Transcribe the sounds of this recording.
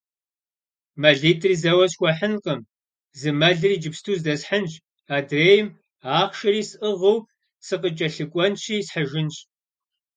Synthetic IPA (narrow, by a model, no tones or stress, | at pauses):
mɐɮiːtʰriːzɐwɐɕxʷɐħənqəm | zɨmɐɮɨriːd͡ʒɪpstʰuːzdɐsħant͡ʃʼ | aːdreːjɪm | aːχʃɐɾiːsʔəʁəw | sɨqət͡ʃʼɐɬɨkʷʼɔnʃʰiːsħəʒɪnɕ